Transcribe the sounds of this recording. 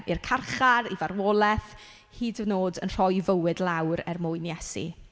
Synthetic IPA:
irkʰarχaɾivaɾwɔːlˠɛθ | hiːdəvnoːdənr̥ɔjvəwɨdlˠawɾɛrmʊːɨnjɛsḭ

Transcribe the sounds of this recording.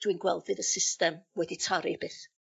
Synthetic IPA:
d̥winɡwɛlˠθɨðəsɪstɛmwɛditʰaɾib̥eːθ

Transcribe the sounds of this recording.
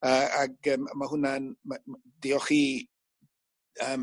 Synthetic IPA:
əaɡəmmaɦʊnanma | d̥iɔχiː | əːm

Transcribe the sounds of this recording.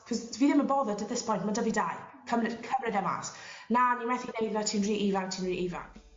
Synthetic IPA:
kʰɔzviːðɪməbɔðədəðɪspʰɔjntmandəvidajkʰəmrɪkʰəvrɪdɛma̰snanimɛθinejðatʰiːnriːʔivantʰiːnriːʔiva̰n

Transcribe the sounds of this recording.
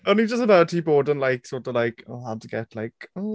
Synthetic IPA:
ənid͡ʒʌs̬tənətʰiboːdənlajksɔtəlaɪkʰəɦadtʰəɡ̥ɛ̰tʰlaɪkɔ

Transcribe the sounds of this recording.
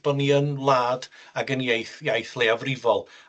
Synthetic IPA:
b̥ɔniənlˠaːd | aɡənjejθjajθlˠeavrɪvɔlˠ

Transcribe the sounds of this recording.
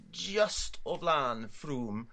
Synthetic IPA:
d͡ʒʌstʰəvlaːnfɹuːm

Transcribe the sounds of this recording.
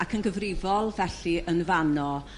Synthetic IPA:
akʰənɡəvrɪvɔlˠvɛɬiənvanɔ

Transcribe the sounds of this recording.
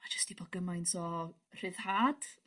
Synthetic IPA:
mad͡ʒəstibɔɡ̥əmajntʰɔ | r̥ɨðhaːd̥

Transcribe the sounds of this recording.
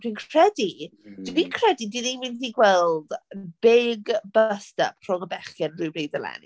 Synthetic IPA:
r̥inkʰr̥ɛdid̥nikʰr̥ɛdidɪnimɪnθiɡwɛlˠd̥bɪɡbstə̰p̚tʰrɔŋəbɛχjɛnrɨbɾejdəlɛ̰n

